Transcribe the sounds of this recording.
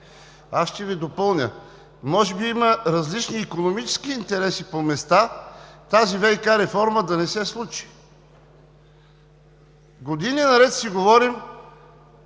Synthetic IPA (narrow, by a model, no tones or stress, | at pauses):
asʃt̪ɛvid̪opɤlˠnʲə̰ | mɔʒɛbiiməɾɐzlit͡ʃniːkonomit͡ʃɛ̥skiːnt̪ɛɾɛsipomɛst̪at̪azivɛjkaɾɛfɔɾməd̪ɐnɛsɛslˠut͡ʃi̥ | ɡod̪ininɐɾɛt̪siɡovɔɾim